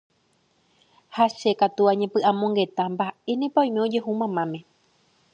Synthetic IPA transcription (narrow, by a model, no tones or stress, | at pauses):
haʃe̞kat̪uaɲẽpɨʔãmõ̞ŋɡe̞t̪ãmbaʔe̞nẽpaj̃meo̞d͡ʒe̞ɦumãmãmẽ̞